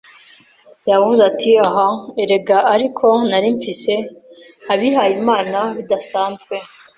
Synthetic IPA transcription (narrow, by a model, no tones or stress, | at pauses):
jaβvuzatiaɦaeɾe̞ɡaːɾikʰo̞naɾiɱfise̞ | aβiɦajimaːnaβidasaːnzɡwe̞